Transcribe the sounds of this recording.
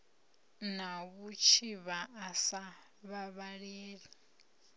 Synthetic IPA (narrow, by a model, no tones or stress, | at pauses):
naβut͡ʃʰiβaʔːsa | βaβaɺeːɺi